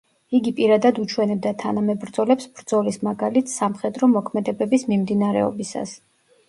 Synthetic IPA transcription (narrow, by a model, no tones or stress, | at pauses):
iɡipʼiɾad̪ad̪ut͡ʃʰwɛnɛb̚d̪at̪ʰanamɛbɾd̪zɔlɛpsb̥ɾd̪zɔlismaɡalit̪ʰsamχɛd̪ɾɔmɔkʰmɛd̪ɛbɛbismimd̪inaɾɛ̰ɔ̰bisa̰s